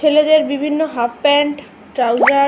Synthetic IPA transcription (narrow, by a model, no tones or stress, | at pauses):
eled̪eɾbibʱinːoɦappɛɳʈ | ʈɾawd͡ʑa